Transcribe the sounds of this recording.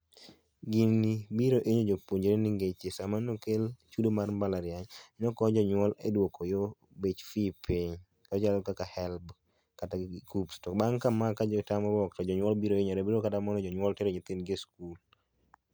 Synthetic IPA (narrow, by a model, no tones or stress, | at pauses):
ɡinibiɾoʔeɲod͡ʒopoɲd͡ʒeɾeniŋɡet͡ʃesamanokelt͡ʃudomarmbalaɾjaɲnɔkɔd͡ʒɔɲwɔledwɔkɔjɔ | bet͡ʃfipʰiɲ | kɔd͡ʒalɔkakahɛlb | kataɡɪkupstɔbaŋkamakad͡ʒɔtamɔbɔk̚tɔd͡ʒɔɲwɔlbiɾoeɲoɾɛbiɾokatamɔnɔd͡ʒɔɲwɔltɛɾeɲɔt̪ɪnɡeskul